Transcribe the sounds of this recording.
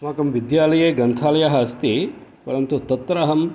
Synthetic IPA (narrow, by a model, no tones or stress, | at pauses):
smaːkɐmʋid̪jaːlɐjeːɡɐnt̪ʰaːlɐjɐɦɐɐst̪ipɐɾɐnt̪ut̪ɐt̪ːɾɐɦɐm